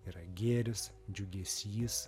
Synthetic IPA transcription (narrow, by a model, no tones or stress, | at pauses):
iːɾɐɡʲeːɾʲʊs | d͡ʒʲʊɡʲesʲiːs